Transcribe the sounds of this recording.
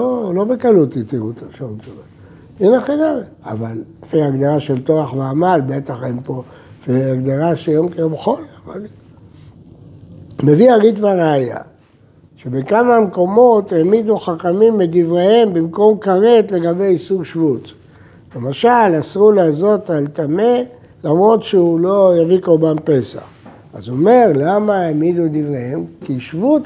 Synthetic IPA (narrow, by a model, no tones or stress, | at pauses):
lolo̞bekalut̪it̪iʁut̪aʃomtova | enaχinaʁ | avalfejaɡd̪aʁaʃelt̪oʁaχmaaːmalbet̪aχempo | feaɡd̪aʁaʃejomkejomχolava̰l | me̞viaʁitvaʁeaja̰ | ʃebekamameko̞mo̞t̪emid̪uχaχamimːed̪ivʁehembimko̞mkaʁet̪le̞ɡabe̞jisuɡʃvut̪ | lemaʃalasʁulezo̞t̪alt̪ame | lamʁo̞dʃeulo̞javikoʁbampe̞sa̰χ | a̰zuome̞ʁlamaemid̪ud̪ivʁehemkiʃvut̪